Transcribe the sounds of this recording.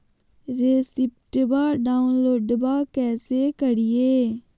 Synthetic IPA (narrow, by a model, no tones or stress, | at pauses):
ɾeːsɪp̚ʈbaːɖaːʊnloːɖbaːkɛːseːkəɽɪjeː